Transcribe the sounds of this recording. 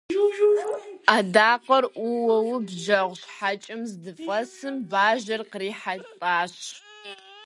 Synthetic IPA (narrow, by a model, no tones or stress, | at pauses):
aːdaːqɐrʔʷuwɐwbʒɐʁʷɕħat͡ʃʼɪmzdɨfʼɐsɨmbaːʒɐrqəriːħatʼaːɕ